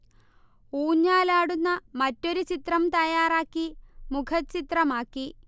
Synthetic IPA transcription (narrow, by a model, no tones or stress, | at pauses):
uːɲːaːlaːɽunːɐmɐtːo̞ɾut͡ɕit̪rɐmt̪ɐjaːraːkːimukʰɐt͡ɕit̪rɐmaːkːi